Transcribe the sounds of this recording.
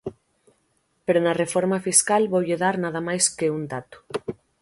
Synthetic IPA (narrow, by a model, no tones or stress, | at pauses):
peɾonarefoɾmafiskalβowʎeðaɾnað̞amajskeund̪at̪u̥